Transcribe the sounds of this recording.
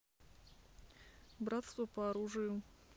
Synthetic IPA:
bɾat̪st̪vupɐːɾuʐɨjʊ

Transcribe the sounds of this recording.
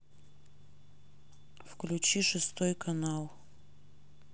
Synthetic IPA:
fklʲʉt͡ɕiʂɨst̪ojkɐnalˠ

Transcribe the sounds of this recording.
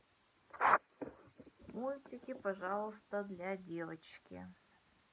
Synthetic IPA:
mulʲtʲikʲɪpɐʐɑlˠəst̪əd̪lʲadʲevət͡ɕkʲɪ̰

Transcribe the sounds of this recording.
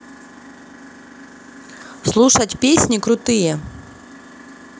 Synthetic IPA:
slˠuʂɐtʲpʲesʲnʲikɾʊt̪ɨjɛ

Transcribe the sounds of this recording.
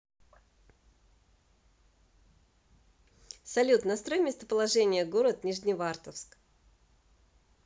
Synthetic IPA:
sɐlʲut̪nɐst̪ɾo̞jmʲest̪əpəlˠɐʐɛnʲɪjəɡoɾət̪nʲiʐnʲɪvart̪əfsk

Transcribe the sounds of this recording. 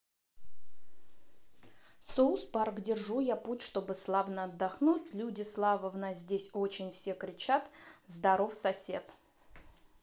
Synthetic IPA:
sousparɡdʲɪrʐujaputʲʂt̪o̞bɨslˠavnəɐd̪ːɐxnutʲlʲudʲɪslˠavəvnazʲdʲesʲo̞t͡ɕɪnʲfsʲe̞kɾʲɪt͡ɕat̪zd̪ɐɾo̞fsɐsʲe̞̰t̪

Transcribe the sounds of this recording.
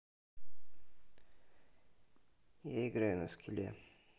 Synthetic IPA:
jaɪɡɾajunɐskʰʲɪlʲḛ

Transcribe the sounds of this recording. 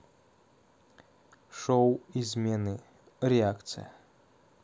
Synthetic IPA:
ʂowizʲmʲɛnɨ | ɾʲɛakt̪sɨ̰j̰

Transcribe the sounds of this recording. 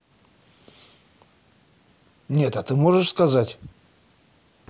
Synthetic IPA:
nʲe̞t̪ɐt̪ɨmo̞ʐɨʂskɐzatʲ

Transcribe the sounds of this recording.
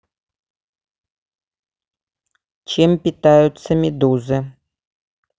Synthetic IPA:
t͡ɕempʲɪt̪ajʊt̪səmʲɪd̪uzɨ

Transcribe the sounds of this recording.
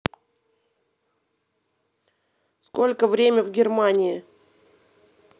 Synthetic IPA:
sko̞lʲkəvɾʲemʲəvɡʲɪrmanʲɪɪ

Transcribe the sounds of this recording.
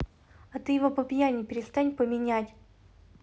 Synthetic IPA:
ɐt̪ɨjɪvopəpʲjanʲɪpʲɪɾʲɪst̪anʲpəmʲɪnʲatʲ

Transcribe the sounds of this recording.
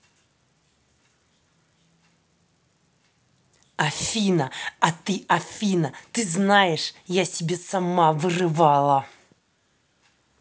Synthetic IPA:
ɐfʲinəɐt̪ɨʔɐfʲinət̪ɨznajɪʂjasʲɪbʲesɐmavɨrɨvalˠə

